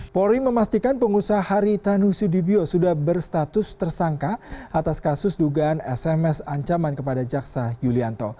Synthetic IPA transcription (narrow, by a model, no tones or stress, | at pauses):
poɾiməmast̪ikanpəŋusaahaɾit̪anusudibiosudahbərst̪at̪ʊst̪ərsaŋkaat̪askasʊsduɡaːnɛsɛmɛsaɲt͡ʃamankəpadad͡ʒaksajuliant̪o